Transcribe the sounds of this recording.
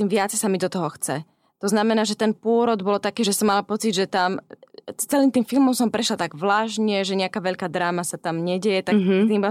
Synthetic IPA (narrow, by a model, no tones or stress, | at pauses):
t̪iːmʋɪat͡sɛsamid̪ɔt̪ɔɦɔxt͡sɛ | t̪ɔznamɛnaːʒɛt̪ɛnpʊɔɾɔd̪bɔlt̪akɛːʒɛsɔmːalapɔt͡sid̪ʒɛt̪am | t͡sɛliːmt̪iːmfilmɔmsɔmpɾɛʃlat̪aɡvlaːʒɲɛʒɛɲɛakaːʋɛʎkaːd̪ɾaːmasat̪amɲɛɟɛjɛt̪at̪iːmba